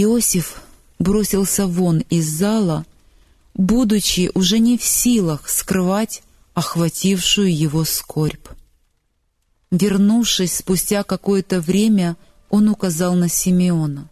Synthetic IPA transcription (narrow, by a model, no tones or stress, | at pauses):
ɪosʲɪf | bɾo̞sʲɪlˠsʲəvo̞nɪzːɑlˠə | bud̪ʊt͡ɕːɪʔʊʐɛnʲɪfsʲilˠəxskɾɨvatʲ | ɐxvɐtʲifʂʊjʊjɪvo̞skʰorʲp | vʲɪrnufʂɨsʲspʊsʲtʲakɐko̞jət̪əvɾʲemʲə | o̞nʊkɐzɑlˠnəsʲɪmʲɪo̞nə